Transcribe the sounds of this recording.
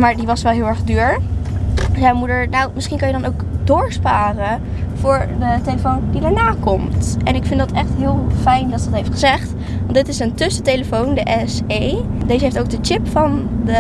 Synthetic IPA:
maːɹdiʋɑsʋɛlˠɦɪːlˠɛɹχdyːɹ | jawmudəɹnawmɪsχinkɑnjədɑnowkdʊːɹspaːrə | v̥ʊːɹdəteləfowndidaːɹnaːkɔmtɛ̰nɪkfɪndɑtɛχtɦɪːlˠfɛjndɑtsədɑtɦejftχəzɛχt | ʋɑntdɪtɪsəntʏsəteləfowndəʔɛsejdejzəɦeftowk̚dət͡ʃɪpfɑndə

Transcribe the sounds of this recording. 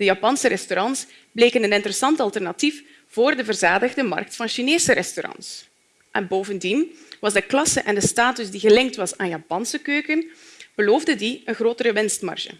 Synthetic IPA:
d̥əjɑpɑnsəɾɛstoɾɑns | bleːkənənɪntəɾəsɑntɑlˠtɛrnɑtif | v̥oːrdəvərzaːdəɣdəmɑ̰rk̚tfɑnʃineːsəɾɛstoɾɑ̰ns | ʔɛnboːvəndinʋɑzdəklɑsəʔɛndəstaːtysdiɣəlɪŋk̚tʋɑsaːnjɑpɑnsəkøːkənb̥əloːvdədiənxroːtəɾəʋɪnstmɑ̰rʒə̰

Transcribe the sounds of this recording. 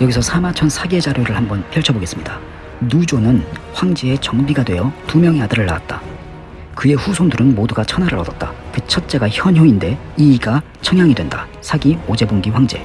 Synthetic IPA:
jʌɡisʰʌsʰamat͡ɕʰʌnsʰaɡe̞d͡ʑaɾjoɾɯɭhambʌnpʰjʌɭt͡ɕʰʌboɡe̞s͈ɯmɲida | nud͡ʑonɯnɸwaŋd͡ʑee̞t͡ɕʌŋbiɡadwe̞jʌtumjʌŋiadɯɾɯɭːa̰wat̚t͈a | kɯe̞ɸusʰondɯɾɯnmoduɡat͡ɕʰʌnaɾɯɾʌdʌt̚t͈ḁkɯt͡ɕʰʌt̚t͡ɕ͈e̞ɡaçjʌnɦjoinde̞ | iːɡa | t͡ɕʰʌŋjaŋidwe̞ndasʰaɡiod͡ʑe̞bomɡiɸwaŋd͡ʑe̞̰

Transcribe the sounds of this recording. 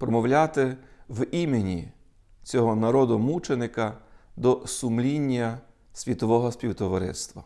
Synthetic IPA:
pɾɔmɔwlʲat̪ɪʋimenʲi | t͡sʲɔɦɔnɐɾɔd̪ʊmut͡ʃenɪkɐd̪ɔsʊmlʲinʲːɐ | sʲʋʲit̪ɔʋɔɦɔsʲpʲiwt̪ɔʋɐɾɪ̰st̪ʋɐ

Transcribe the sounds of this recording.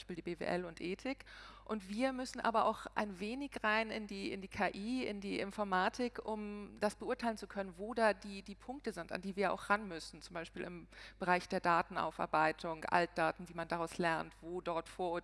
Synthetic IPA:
ʃpiːldiːbevḛːʔɛ̰lʊntʔeːtʰɪkʔʊntv̥iːɐmʏsn̩ʔa̰ːbɐʔa̰ʊxʔa̰ɪnveːnɪçʁaɪnɪ̰ndiːɪndiːkʰaːʔiːɪ̰ndiːʔɪ̰nfɔɐmaːtʰɪkʔʊmd̥asb̥əʔʊɐtʰaɪlənt͡sukʰœnənvoːdaːdiːdiːpʰʊŋk̚təzɪnta̰ndiːviːɐʔa̰ʊxʁanmʏsn̩t͡sʊmbaɪʃpiːlɪ̰mb̥əʁaɪçd̥eːɐdaːtn̩ʔa̰ʊfa̰ɐbaɪtʰʊŋʔa̰lt̚d̥aːtn̩viːmandaʁaʊslɛɐntv̥oːdɔɐtfoːɐo

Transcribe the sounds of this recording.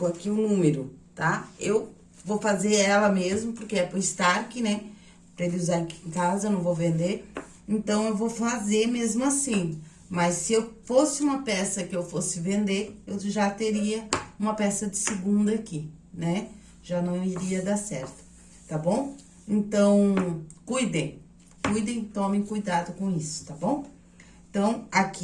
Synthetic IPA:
koakiʊnũmeɾʊt̪aew | vowfazeɾɛlɐmezmʊpoɾkeɛpʊɾɪst̪aɾkɪnɛ | pɾɐelɪuzaɾkiẽŋkazɐewnɐ̃w̃vowvẽnd̪eɾ | ẽnt̪ɐ̃w̃ewvowfazemezmʊasĩ | mɐsːɪewfosɪũmɐpɛsɐkɪewfosɪvẽnd̪eɾewʒat̪eɾiɐũmɐpɛsɐd͡ʒ̪ɪsɪɡũnd̪ɐakinɛ | ʒ̥anɐ̃w̃w̃iɾiɐd̪asɛ̰ɾt̪ʊ̥ | t̪abõw̃ | ẽnt̪ɐ̃w̃kujd̪ẽj̃ | kujd̪ẽj̃t̪õmẽj̃kujd̪ad̪ʊkõisʊ̥t̪abõw̃ | ẽt̪ɐ̃w̃ak

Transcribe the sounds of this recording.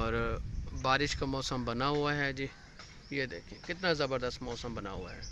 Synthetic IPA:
ɔːɾbaːɾɪʃkamɔːsəmbənaɦʊaɦɛːd͡ʒiː | jed̪eːkʰiẽkɪt̪nazɐbəɾd̪əst̪mɔːsəmbəna̰ɦʊa̰ɦɛ̰ː

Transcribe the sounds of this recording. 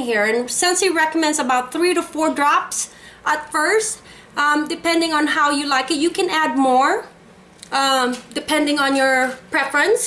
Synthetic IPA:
ɦiɹɨ̃nsɛ̃nsiɹɛkəmɛ̃ndsəbaʊt̪̚θɹiɾufɔɹdɹɑps | ʔətfɜ˞st | ʔdɨpɛ̃ndɪ̃ŋə̃nɦaʊjɨlaɪkɨt̚jɨkɨ̃næd̚mɔɹ | dɨpʰɛ̃ndɪ̃ŋə̃njɔ˞pʰɹ̥ɛfɹə̃ns

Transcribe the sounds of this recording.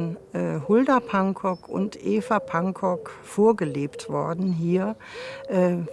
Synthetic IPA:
nʔɛːhʊldɐpʰaŋkʰɔkʰʊ̰ntʔeːfɐpʰaŋkʰɔkfoːɐɡəleːptv̥ɔɐdn̩ɦiːɐʔɛː

